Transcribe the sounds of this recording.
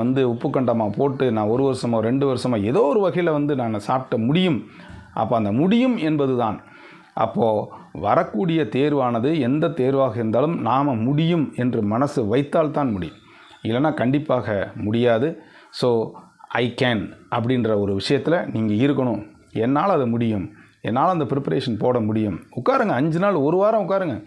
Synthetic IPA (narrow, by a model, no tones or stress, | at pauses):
ɐnd̪ɯʊpːɯkːɐɳɖaːmaːpoːʈːɯnãːɔɾɯʋɐɾɐsɐmõːɾɛɳɖɯʋɐɾsɐmaːɛðoːɔɾɯʋɐɣɐjɪlʋɐnd̪ɯnaːŋɐsaːp̚ʈːɐmʊɽɪjɯm | ʔɐ̰pːoːɐnd̪ɐmʊɽɪjɯmɛnbɐðɯt̪aːn | ʔɐ̰pːoːʋɐɾɐkːuːɽɪjɐt̪eːɾʋaːnɐðɯɛnd̪ɐt̪eːɾʋaːɣɐɪɾɯnd̪aːlɯmnaːmɐmʊɽɪjɯmɛndrɯmɐnɐsɯʋɐɪt̪ːaːlt̪ãːnmʊɽɪ̰jɯ̰m | ɪlːɐnːaːkɐɳɖɪpːaːɣɐmʊɽɪjaːðɯ | soː | ʔɐɪkaːnʔɐp̬ːɐɽɪnrɐɔɾɯʋɪʂɐjɐt̪ːɪlɐniːŋɡɐɪɾɯkːɐɳʊ̃ | ɛnːaːlɐðɯmʊɽɪjɯm | ɛ̰nːaːlɐnd̪ɐpɪɾɪpɐɾeːʂɐnpoːɽɐmʊɽɪjɯmʊkːaːɾɯŋɡɐːɲd͡ʒɯnaːlɔɾɯʋaːɾɐ̃ʊkːaːɾɯŋɡɐ